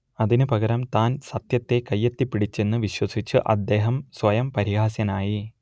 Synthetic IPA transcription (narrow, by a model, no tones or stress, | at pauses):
ɐðinɨpɐɣɐɾɐmt̪aːnsɐt̪jɐt̪ːe̞kɐjːet̪ːipːiɽit͡ɕːe̞nːɨʋiɕwɐsit͡ɕːɨʔɐ̰d̪ːe̞ːɦɐmsʋɐjɐmpɐɾihaːsjɐnaːji